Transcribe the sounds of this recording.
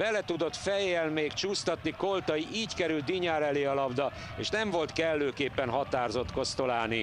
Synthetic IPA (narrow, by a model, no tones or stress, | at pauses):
bɛlɛt̪ud̪o̞t̪fɛjːɛlmeːkt͡ʃuːst̪ɒt̪niko̞lt̪ɒjiʔiːckɛɾylt̪̚ːiɲaːɾɛleːɒlɒbd̪ɒ | ḛːʃnɛɱvo̞lt̪kɛlːøːkeːpːɛnɦɒt̪aːrzo̞t̪ko̞st̪o̞laːni